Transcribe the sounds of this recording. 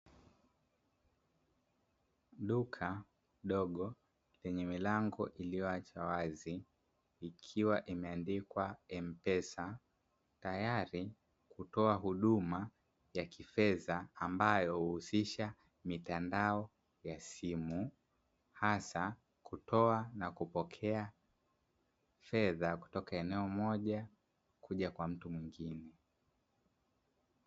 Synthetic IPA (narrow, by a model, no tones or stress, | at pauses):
ɗukʰa | ɗɔɠɔ | lɛɲɛmilaŋɡɔʔilijɔat͡ʃawaziː | kʰiwaʔimɛandikwaɛm̩pɛsa | tajaɾi | kutɔaɦuɗuma | jakʰifɛðaːmbajɔhuusiʃa | mitandaɔ | jasimu | hasa | kutʰɔanakupɔkʰɛa | fɛðaku̥tɔkaɛnɛɔmɔʄa | kuʄakwam̩tumwiŋɡinɛ